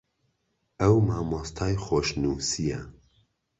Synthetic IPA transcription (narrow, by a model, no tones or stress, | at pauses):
ɐwmɑːmost̪ʰɑːjχoːʃnusijɐ